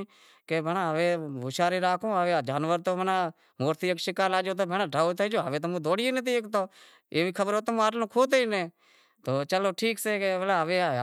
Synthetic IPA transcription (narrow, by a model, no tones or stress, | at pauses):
keːbʱenaːɦəʋeːʋʊʃaːɾeːɾaːkõːɦəʋeːd͡ʒaːnʋəɾt̪oːbənaː | moːɾt̪iːəkʃɪkaːɾaːd͡ʒoːt̪oːbʱeːnaːɖʱaːut̪əd͡ʒoːɦəʋeːt̪omũːd̪oːɽɪjeːnet̪̬iekt̪oː | eːʋiːkʰəbəɾoːt̪əm̃ːaːʈlõːkʰoːt̪eineː | t̪oːt͡ʃəloːʈʰiːkseːkeʋelaːɦəʋeː